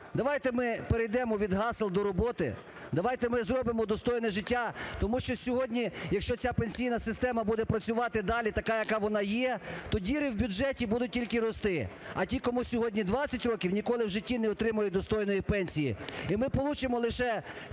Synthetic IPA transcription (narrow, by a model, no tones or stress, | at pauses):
d̪ɐʋɑjt̪ɛmɪpeɾejd̪ɛmɔʋʲid̪ɦɑslˠd̪ɔɾɔbɔt̪ɪ̰ | d̪ɐʋɑjt̪ɛmɪzɾɔbɪmɔd̪ɔst̪ɔjnɛʒɪtʲːat̪ɔmuʃt͡ʃɔsʲɔɦɔdʲnʲijɐkʃt͡ʃɔt͡sʲapenʲsʲijnɐsɪst̪ɛmɐbud̪ɛpɾɐt͡sʲʊʋɑt̪ɪd̪ɑlʲit̪ɐkɑjɐkɑʋɔnɑjɛt̪ɔdʲiɾɪwbʲʊd͡ʒɛtʲibud̪ʊt̚ʲtʲilʲkɪɾɔst̪ɪɐ̰tʲikɔmusʲɔɦɔdʲnʲid̪ʋɑt͡sʲːɐtʲrɔkʲiwnʲikɔlˠɪwʒɪtʲːinɛɔt̪ɾɪmɐjʊd̪ɔst̪ɔjnɔjipɛnʲsʲijḭimɪpɔlˠut͡ʃɪmɔlˠɪʃɛ